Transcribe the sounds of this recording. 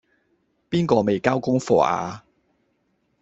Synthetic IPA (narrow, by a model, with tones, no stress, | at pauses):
piː˥nkɔː˧me˨jkaː˥wkʊ˥ŋfɔ̰ː˧ʔa̰ː˨˧